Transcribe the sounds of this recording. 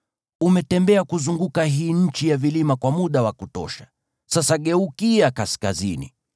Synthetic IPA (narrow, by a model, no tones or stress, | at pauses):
umɛtɛmbɛakuzuŋɡukaɦiːɲ̩t͡ʃijavilimakwamuɗawakutɔ̰ʃḁ | sasaɠɛukiakaskazḭnḭ